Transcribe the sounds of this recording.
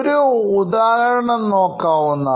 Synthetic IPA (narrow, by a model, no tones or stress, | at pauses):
ɾuːd̪aːɦɐɾɐɳɐmnːoːkːaːʋunːɐ